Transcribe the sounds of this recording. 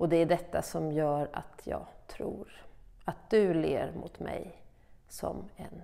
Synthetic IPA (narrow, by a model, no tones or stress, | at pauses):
ɔd̪ɛæɖɛt̪ːasɔmjœːɾat̪ʰjɑːt̪ʰɾuːɾat̪̚d̪ɵleːɾmʊt̪mɛj | sɔmɛn